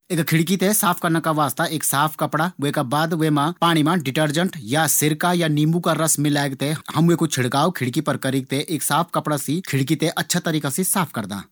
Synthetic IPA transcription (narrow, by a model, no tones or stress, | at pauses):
eːkkʰːɪɽk̬it̪esaːpʰkɐɾnakaʋaːst̪aʔeːksaːpʰkɐpɽaʋekabaːd̪ʋemãpaːɽ̃imãɖɪʈəɾd͡ʒəɳʈjasɪɾkajaniːmukaɾɐsmɪlaːeɡt̪ehɐmʋekot͡ʃʰɪɽkaːokʰɪɽkipɐɾkɐɾik̚t̪eʔeːksaːpʰkɐpɽasikʰɪɽk̬it̪eʔɐtːʃʰat̪ɐɾiːkasisaːpʰkɐɾd̪a̰ː